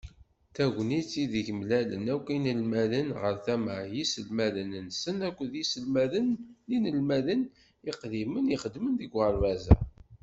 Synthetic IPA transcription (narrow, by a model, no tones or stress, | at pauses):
θæɡʷnit͡sːiðiʝəmlælə̰nækʷːinəlmælənʁəɾθæmaʕjisəlmælənnsənækʷːəðisəlmæðənlinəlmæðən | iqðiməniχəd̪mənðiɡəɾvæzæ̰